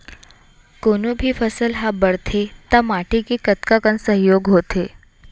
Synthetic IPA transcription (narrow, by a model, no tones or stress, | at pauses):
konubʱifəsəlɦabəɽt̪ʰet̪amaʈikekət̪kakənsəɦjoɡɦot̪ʰe